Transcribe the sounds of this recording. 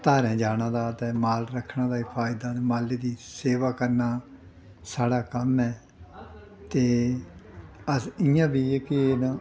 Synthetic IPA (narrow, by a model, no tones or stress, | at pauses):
t̪aːɾɛ̃ːd͡ʒaːnãːd̪aːt̪ɛ̃ːmaːlɾəkʰːnaːd̪aːɪpʰaːjɪd̪aːmaːleːd̪iːseːʋaːkəɾnaː | saːɽaːkəmɛː | t̪eː | əsɪjãːbiːkɪnãː